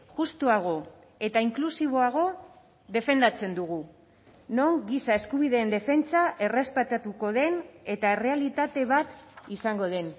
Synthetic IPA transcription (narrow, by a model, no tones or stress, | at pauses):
ʝust̪uaɣ̞o̞ | et̪aiŋklusiβ̞o̞aɣ̞o̞ | ðe̞fe̞nd̪at͡se̞nd̪uɣu | no̞ŋɡisae̞skuβiðe̞ːnd̪e̞fe̞nt͡saʔe̞re̞spet̪at̪uko̞ðe̞ne̞t̪ae̞re̞alit̪at̪e̞βat̪isaŋɡo̞ð̞e̞n